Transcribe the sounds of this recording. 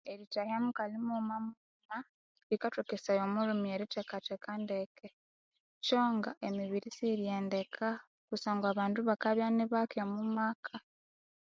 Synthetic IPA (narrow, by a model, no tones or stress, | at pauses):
eɾitahamukalimumamu | ma | ɾikatukesajomuɾumieɾitekatekandekʰe | t͡ʃo̞ːŋɡaʔemiβiɾisiɾjeːndekʰa | kusaːŋɡaːβaːnduβakaβjaniβakomumakʰa